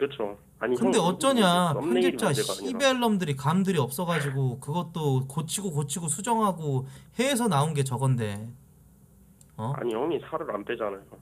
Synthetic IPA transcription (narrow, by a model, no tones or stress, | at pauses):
kɯɯt͡ɕʰo | a̰ɲikɯnde̞ʌt͡ɕ͈ʌɲapjʌŋɡit͡ɕ͈aɕibe̞ɭːʌmdɯɾikamdɯɾiʌp̚s͈ʌɣad͡ʑiɡokɯɡʌt̚t͈okot͡ɕʰiɡokot͡ɕʰiɡosʰud͡ʑʌŋɦaɡohe̞ːs̬ʰʌnaunɡe̞t͡ɕʌɡʌnde̞ | ʌa̰ɲijʌŋisʰaɾɯɾa̰nt͈ed͡ʑanajo